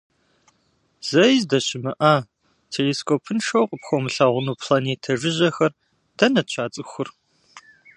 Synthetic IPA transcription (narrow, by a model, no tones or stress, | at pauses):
z̥ɐjzdɐɕɪmɨʔaː | tʰeliːskʰoːpʰɨnʂowqʼəpxʷomɨɬaːʁʷʊnuːpʰlaneːtʰɐʒɪʑɐxɐr | d̥ʰɐnɐt͡ʃʷʰaːt͡sʼɨxʷʊr